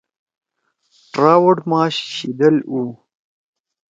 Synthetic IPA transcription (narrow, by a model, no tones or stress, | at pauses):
ʈɾaːwoɖmɑːɕɕid̪ɐlu